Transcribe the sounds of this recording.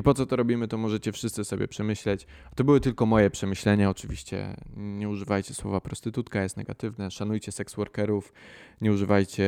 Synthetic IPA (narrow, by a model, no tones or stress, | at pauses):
ipɔt̪sɔt̪ɔɾɔbʲimɘt̪ɔmɔʐɛt͡ɕɛfʂɘst̪sɘsɔbʲjɛ̰pʂɛmɘɕlɛt͡ɕ | at̪ɔbɘwɘt̪ɘlkɔmɔjɛpʂɛmɘɕlɛɲaɔt͡ʂɘvʲiɕt͡ɕɛ̰ɲɛuʐɘvajt͡ɕɛswɔ̰vapɾɔst̪ɘt̪ut̪kajɛst̪nɛɡa̰t̪ɘvnɛʂanujt͡ɕɛsɛkswɔɾkɛɾufɲɛuʐɘvajt͡ɕɛ